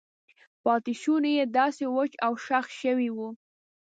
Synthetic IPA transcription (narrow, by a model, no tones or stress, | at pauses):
pɑt̪iʃunajed̪ɑsewʊt͡ʃawʃaxʃəwiwu